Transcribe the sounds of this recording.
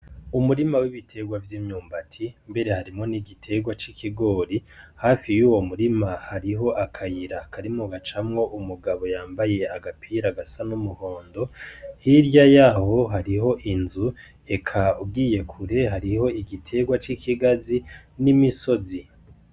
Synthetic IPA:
umuɾimawiβitʰe̞ɡwavjiːmɲuːmbatʰimbe̞ɾe̞haɾimŋo̞niɡitʰe̞ɡwat͡ʃikiɡo̞ːɾihaːfijuːwo̞muɾimahaɾiɦo̞ʔakʰajiɾakaɾimŋoɡat͡ʃamŋo̞ʔumuɡaβo̞jaːmbaje̞aɡapʰiɾaɡasanumuho̞ːndo̞hiɾjajaːho̞ɦaɾiɦo̞ʔinzu | e̞kʰaub̚ɡiːje̞kʰuɾe̞ɦaɾiho̞iɡitʰe̞ɡwat͡ʃikʰiɡazinimiso̞zi

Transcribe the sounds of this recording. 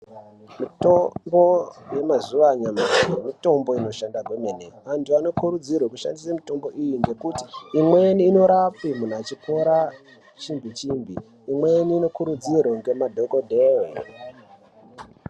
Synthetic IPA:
mitombo̞je̞mazuʋaɲamamito̞mbo̞ino̞ʃandaɡʱomeneʋantuano̞kuɾud͡zirwekuʃa̰ndisamito̞mbo̞ʔijiŋɡe̞kuti̥ːmweniːno̞ɾap͡fimun̤at͡ʃikʰoɾa | t͡ʃimbit͡ʃimbiː | mweniːno̞kuɾud͡zirwoŋɡe̞madʱo̞kodʱeːwe

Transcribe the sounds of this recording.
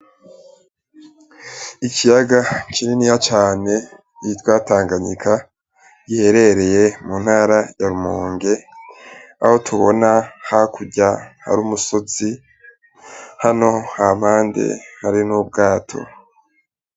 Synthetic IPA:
icijaɡakininijat͡ʃaːne̞ | iitwaːtaːŋɡaɲḭkʰa | ɟiheɾe̞ɾe̞je̞mun̥haːɾajaɾumoːŋɡe̞ | a̰ho̞tʰuβo̞nahakuɟaha̰ɾuːmuso̞z̥i | hano̞hamaːndḛhaɾinub̚ɡaːtʰo̞̰

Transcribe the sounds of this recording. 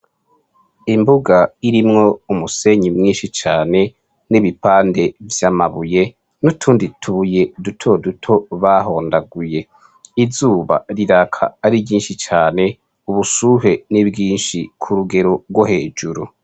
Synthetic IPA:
imbuɡaiɾimŋo̞umuse̞ɲimŋiːnʃit͡ʃaːne̞ | niβipaːnde̞vjamaβuje̞ | nutʰuːnditʰuje̞dutʰo̞dutʰo̞βaɦo̞ːndaɡuje̞ | izuːβa̰ɾiɾakʰa̰ːɾiɟiːnʃit͡ʃaːne̞ | uβusuɦe̞niβɡiːnʃikʰuɾuɡe̞ɾo̞ɡwohe̞ːd͡ʒuɾu

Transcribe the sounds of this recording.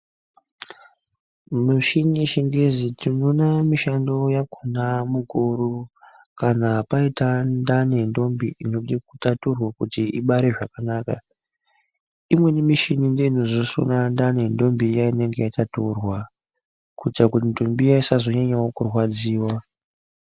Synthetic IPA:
muʃiniʃiŋɡezitinonamiʃando̞jakunamukoɾu | kanapaitandane̞ndo̞mbiʔino̞ɗekutaturwakutiiɓaɾe̞ʐakanaːka̰ | imwe̞nimiʃininde̞ino̞zoso̰nandane̞ndo̞mbijaine̞ŋɡe̞jataturwa | kut͡ʃakutindo̞mbijaisazo̞ɲaɲawokurwad͡ziːwa

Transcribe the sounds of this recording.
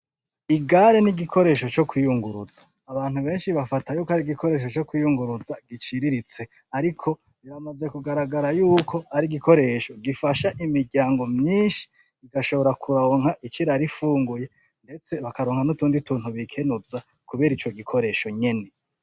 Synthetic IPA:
iɡaɾeniɡikʰo̞ɾe̞ːʃo̞t͡ʃo̞kwijuŋɡuɾuzaːβaːn̥huβe̞ːnʃiβafatajuːkohaɾiɡiko̞ɾe̞ːʃ̬o̞t͡ʃo̞kwijuŋɡuɾuzaɡit͡ʃiɾiɾit͡se̞ | aɾikʰo̞ | iɾamaze̞kuɡaɾaɡaɾajuːkʰo̞haɾiɡikʰo̞ɾe̞ːʃo̞ɡifaʃaʔimiɾɟaːŋɡo̞mɲiːnʃi̥ | iɡaʃo̞βo̞ɾakʰuɾoːŋ̥haʔit͡ʃiɾaɾifuːŋɡuje̞ | nde̞t͡se̞βakaɾoːŋhanutuːndituːn̥huβikʰe̞nuza | kuβe̞ːɾit͡ʃo̞ɡikʰo̞ɾe̞ːʃo̞ɲe̞ne̞

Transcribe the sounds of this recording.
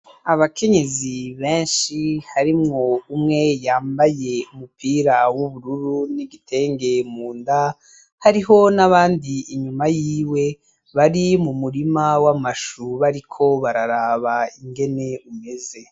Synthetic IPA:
aβakʰe̞ɲe̞ziβe̞ːnʃihaɾimŋoumŋe̞jaːmbaje̞umupiːɾawuβuɾuɾuniɡitʰe̞ːŋɡe̞muːnda | haɾiɦo̞naβaːndiiɲumajiːwe̞ | βaɾimumuɾimawamaʃuβaɾikʰo̞βaɾaɾaːβaiŋɡe̞ne̞ume̞ze̞

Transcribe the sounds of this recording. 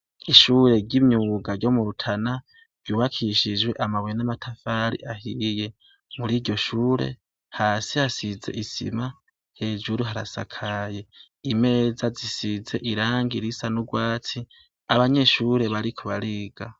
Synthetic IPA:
iʃuːɾe̞ɾɟimɲuːɡaɾɟo̞muɾutʰana | v̥juːβakʰiʃid͡ʒwe̞ʔamaβwnamatʰafaːɾḭʔahije̞ | muɾiːɾɟo̞ʃuːɾe̞̰ | haːsihasize̞̰ʔisḭma | he̞ːd͡ʒuɾuɦaɾa̰sa̰kʰaje̞ | ime̞ːzazisize̞ʔiɾaːŋɡiɾisanuɡwaːt͡si | aβaɲe̞ʃuɾe̞βaɾikʰoβaɾiːɡ̥a

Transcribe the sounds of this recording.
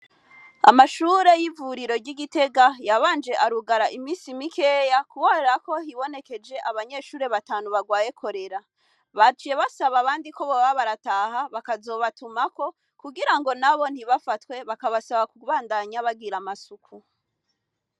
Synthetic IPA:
a̰maʃuːɾe̞jivuɾiɾo̞ɾɟiɡite̞ɡajaβaːnd͡ʒe̞ʔaɾuɡaɾaʔimiːsimike̞jakuβoɾeɾako̞ɦiβo̞ne̞ke̞d͡ʒe̞ʔaβaɲe̞ːʃuːɾe̞βataːnuβaɡwaːje̞kʰo̞ɾe̞ɾa | βat͡ʃije̞βasaβaːβaːndiko̞βoβaβaɾataːhaβakazo̞ːβatumako̞ | kuɡiɾaŋɡo̞naβo̞n̥hiβafatwe̞βakaβasaβakuβaːndaɲaβaɡiɾamasukʰu

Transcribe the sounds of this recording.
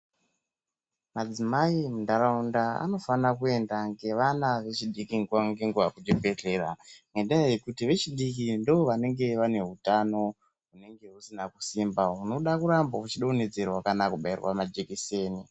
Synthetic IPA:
mad͡zimaimundaɾaundaa̰no̞fanak̬ue̞ndaŋɡe̞ʋanaʋe̞t͡ʃiɗikiŋɡaŋɡeŋɡuʋakud͡ʒepe̞ɮe̞ramendaeje̞kutiʋe̞t͡ʃiɗik̬indooʋane̞ŋɡe̞ʋane̞ɦutano̞ | ɦune̞ŋɡe̞usinaku̥simbauno̞ɗakuɾambaut͡ʃiɗaune̞d͡ze̞rwakanakuɓairwa̰mad͡ʒekise̞ːni

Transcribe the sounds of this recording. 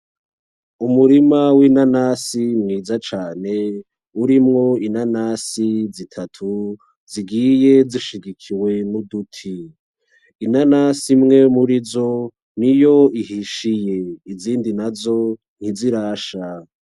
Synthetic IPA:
umuɾimawinanasimŋiːzat͡ʃaːne̞ | uɾimŋo̞inanasizitʰatʰu | ziɡije̞ziʃiɡikʰiwe̞nudutʰiː | nanasimŋe̞muɾizo̞ | nijo̞iɦiʃije̞iziːndinazo̞ | n̥hiziɾaːʃa

